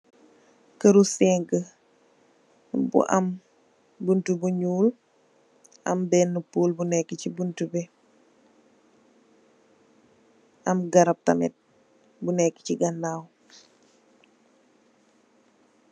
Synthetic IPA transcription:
kəɾusɛŋkə | bṵʔɐ̰m | buntubuɲuːl | ɐ̰mbɛːnːupuːlbunɛkːəcibuntubɛ | ɐmɡɐɾɐp̚tɐ̰mɛ̰t̚ | bunɛkːə̥ciɡɐnːaːw

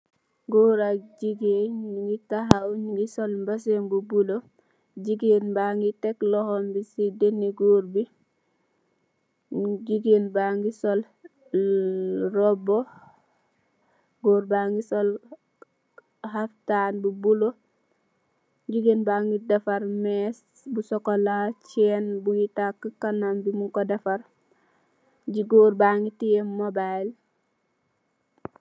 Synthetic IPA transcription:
ɡoːɾaɟiɡenŋɡitaɦawɲiŋɡisolmbas̬embubulo | ɟiɡeːnbaŋɡiteklɔhɔmbisidenːiɡoːɾbi | ɟiɡeːnbaŋɡisol | ɾobo | ɡoːɾbaŋɡisol | haftaːnbubulo | ɟiɡinbaŋɡidafaɾmɛs | busɔkolat͡ʃɛːnbujitakːəkanambimuŋkodafaɾ | ɟiɡoɾbaŋɡitiemobajl

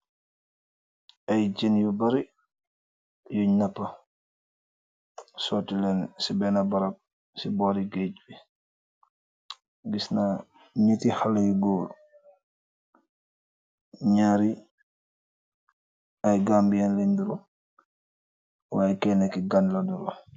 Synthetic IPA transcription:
ɐjd͡ʒinjubɐɾi | juɲɐpːɐ | sɔːtːilɛnsibɛnɐbɐɾɐp̚ | sibɔːɾiɡeɟbi | ɡisna | ɲitihalɐjuɡoːl | ɲaɾi | ɐjɡaːmbjanleɲduɾu | waːjkɛnɛkiɡanlɐdulɐ̰

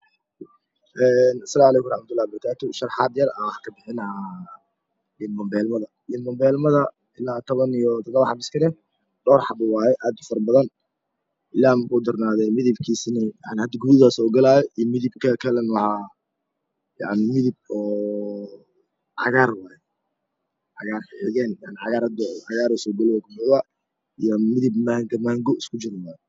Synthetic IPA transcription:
ʔɛnɐsɐlaːmʕalɛːkʊmrɑħmɐt̪ʰʊlːaːhbɪɾɐkʰaːt̪ʰʊʃɐrħɑːd̪jɐrɐwɑħɑkʰɐbɪħɪnɐha | jɪnbɐmbɛːlmɐðɐ | jɪnbɐmbɛlmɐðɐ | ɪlaːt̪ʰɔβɐnijɔt̪ʰɔd̪ɐβɐħɑbɪskʰɐnɛ | ɖɔːrħɑbʊwaːjɛʔaːd̪ʊfɐɾbɐðɐn | ɪlaːmkʊːd̪ɐrnaːðɛjmɪðɪbkʰiːsɪnɛjaʕnɪhɐd̪ɐɡuðɪðasɔːɡɐlaːjɔʔijmɪðɪbkʰɐkʰɐlɛnwɑħɑ | ja̰ʕnɪmɪðɪb̚ɔː | ʕɑ̰ɣaːrwaːjɛ | ʕɑɣaːrħɪʕɪɣɛːnjaʕnɪʕɑɣaːɾɐd̪ɔʕɑɣaːɾɔsɔːɡɐlɛwɔɡʊmʊðɐ | ijɔmɪðɪbmaːŋɡɐmaːŋɡɔɪskʰʊt͡ʃɪɾna

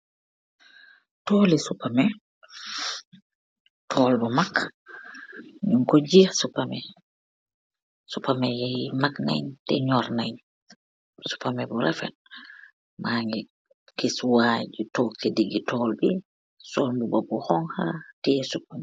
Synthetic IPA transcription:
toːlisupːamɛ | tʰɔːlbɔmak | ɲuŋkod͡ʒiasupːamɛ | supamɛjajmakna̰jɲtɛ̰ɲɔɾnaɲ | su̥pamɛbɔɾɛfɛ̰t̚ | maŋɡɛ | kiswad͡ʒutokːɛdiɡitɔːlbi | sɔlbubɔbɔhɔŋhatɛɛsupamɛ

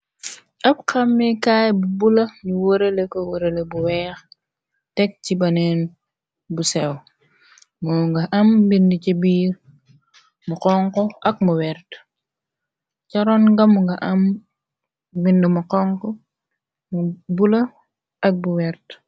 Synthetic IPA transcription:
ʔɐp̚kɐmːɛkaːjbubulɐjuwəɾelekowoɾelebuwɛːx | tɛk̚cibɐnɛn | busɛw | mɔŋɡɐʔɐmbinducɐbiːɾ | muqɔŋkɔɐk̚muwɛɾt | cɐɾɔnɡɐmːuŋɡɐʔɐm | bindumuqɔŋkɔ | mubulɐ | ɐk̚buwɛɾt

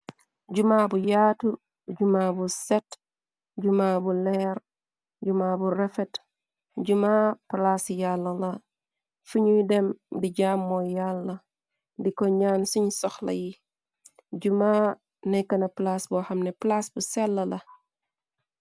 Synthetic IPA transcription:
ɟumaːbujaːtu | ɟumaːbusɛt | ɟumaːbulɛɾ | ɟumaːburɛfɛt | ɟumaːplasjalːɐlɐ | fuɲujdɛmdiɟaːmːɔjalːɐ | dikɔɲaːnsiɲsɔxlɐ̰ji | ɟuma | nɛkɐnɐplasbɔhɐmnɛplasbusɛlːɐlɐ

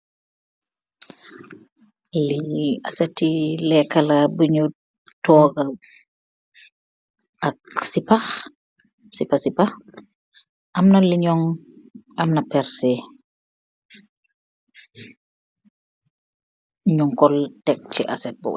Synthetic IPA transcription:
liɐ̰sɛtːilɛkːɐlɐbuɲu | tɔːɡɐ | ɐk̚sipɐx | sipɐsipax | ʔɐmnɐliɲɔŋ | ɐmnɐpɛɾtɛ | ɲɔŋkɔltɛk̚t͡ʃiʔɐ̰sɛt̚bɔ̰w

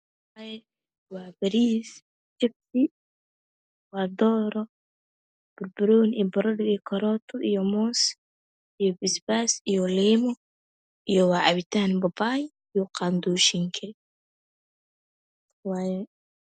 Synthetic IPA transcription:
wajɛ | waːbɐɾiːs | t͡ʃɛb̚si | waːd̪ɔːɾɔ | b̥ʊɾbʊɾuːnḭbɔɾɔdɔikʰɔɾɔːt̪ʰɔʔijɔmɔːs | ijɔbɪsbasijɔliːmɔ | ʔijɔwaːʔɐβit̪ʰaːnbɐbaːj | ijɔqand̪uːʃiŋkʰɛ | waːjɛ

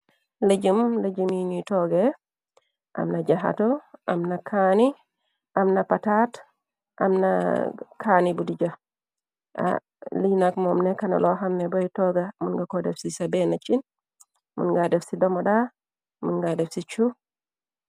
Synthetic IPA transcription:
led͡ʒəmled͡ʒimiɲutɔɡe | ʔa̰mnad͡ʒaɦa̰tɔʔamnakʰani | ʔamnapatat | ʔa̰mna̰kʰanibudid͡ʒa | a̰ | linakmɔmnɛkana̰lɔɦamnɛbɔitɔɡamunɡakɔdɛfsisabɛnat͡ʃin | mṵnɡadefsidɔmɔɗa | munɡadɛfsit͡ʃu

